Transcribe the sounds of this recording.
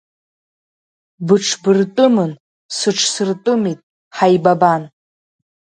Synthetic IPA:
bɨʈ͡ʂʰbɨrtʼɨmɨn | sɨʈ͡ʂʰsɨrtʼɨmitʼ | ħajbaban

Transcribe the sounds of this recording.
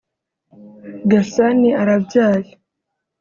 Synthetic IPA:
ɡasaniaɾabɟaːla

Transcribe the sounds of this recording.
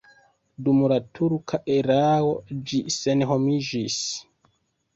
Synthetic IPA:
dumlatʰuɾkʰaʔeɾawod͡ʒisenɦomid͡ʒis

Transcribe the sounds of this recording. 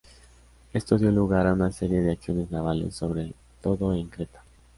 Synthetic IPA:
e̞st̪o̞ðjo̞luɣaɾaunase̞ɾje̞ðe̞aksjo̞ne̞znaβ̞ale̞̰sːo̞βɾe̞ | t̪o̞ðo̞eŋkɾe̞t̪ḁ

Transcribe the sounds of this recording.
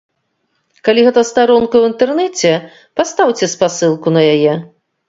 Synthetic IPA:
kalʲiɣɛt̪ɐst̪aɾɔnkɐwint̪ɛrnɛt͡sʲɛ | past̪awt͡sʲɛspasɨlˠkunɐjajɛ

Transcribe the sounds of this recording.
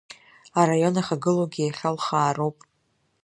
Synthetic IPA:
aɾajo̞naχaɡɨloɡʲiaχʲalχaːrowpʼ

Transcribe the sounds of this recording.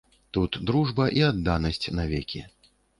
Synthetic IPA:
t̪ut̪d̪ɾuʐbɐʔiad̪ːanɐsʲt͡sʲnavʲɛkʲḭ

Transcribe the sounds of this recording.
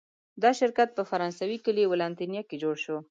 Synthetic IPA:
d̪ɑʃɪɾkat̪̚pəfaɾɑnsawikəliwɪlɑnt̪injɑked͡ʒoɽʃo

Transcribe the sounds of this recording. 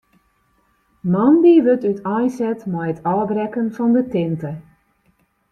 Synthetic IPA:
mɑnbiʋøtytʰɔjsɛtmɛjətʰɔːbrɛkənfɔndətɪntə

